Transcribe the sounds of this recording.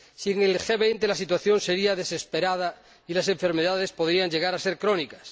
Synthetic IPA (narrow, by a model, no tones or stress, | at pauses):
siŋelxeβejnt̪elasit̪waθjo̞nseɾiaðe̞se̞speɾað̞a | ilase̞ɱfe̞ɾmeðað̞e̞spo̞ðɾiaŋd͡ʒe̞ɣ̞aɾase̞ɾkɾonikas